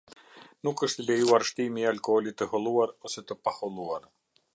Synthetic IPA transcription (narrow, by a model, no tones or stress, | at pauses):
nukəʃt̪əlɛjuaɾʃt̪imialkɔɔlit̪əhɔlˠuaɾɔsɛt̪əpahɔlˠuaɾ